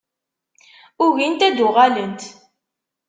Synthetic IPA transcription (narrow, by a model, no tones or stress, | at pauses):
ʊʝint̪æd̪ʊʁalənt̪